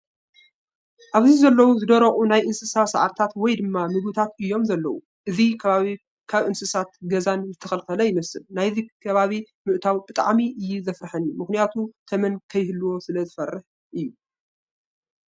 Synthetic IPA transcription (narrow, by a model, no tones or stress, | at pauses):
ʔaβzizɐlːɐwuzɨd̪ɐɾɐχʼunajʔɨnsɨsasaʕa̰ɾt̪ʰat̪wɔjd̪ɨmːamɨɡut̪ʰat̪ɨjːo̞mzɐlːɐwu | ʔɨzikʰɐβaβi | kʰaβʔɨnsɨsat̪ɡɐzanzɨt̪ʰɐxɐlxɐlɐjɪmɐsɨlnajzikʰɐβaβi | mɨʔt̪ʰawbɨt̪ʼa̰ʕmiʔɨjːuzɐfɾɨħɐnumɨxnijat̪ʰut̪ʰɐmɐnkʰɐjhɨlːuwo̞sɨlɐzɨfɐrːɨħ | ʔɨjːu